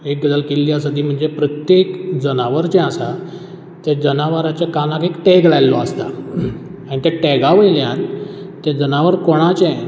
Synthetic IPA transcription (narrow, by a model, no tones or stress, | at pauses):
ek̚ɡəd̪əlkilːjasəd̪ʱiːm̤əɳd͡zepɾət̪jekd͡zənaʋəɾt͡ɕɛ̃asa | t̪ɛ̃d͡zənaʋaɾat͡ɕjakalãkekʈeɡɭajlɔəst̪a̰ | aɽ̃it̪ɛ̃ʈɛɡaʋeljãn | t̪ɛ̃d͡zənaʋəɾkoɽ̃at͡ɕɛ̃